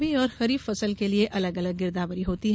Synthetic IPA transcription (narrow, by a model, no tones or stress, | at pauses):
biɔːɾxɐɾiːffɐsəlkelieʔɐləɡɐləɡ̚ːɪɾd̪aːbəɾiɦoːt̪iɦ